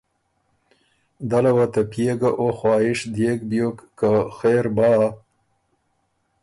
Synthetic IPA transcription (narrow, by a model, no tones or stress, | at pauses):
d̪alawat̪apjeɡaʔoxwɑːhɪʂd̪eɡbjokːaxeɾbɑː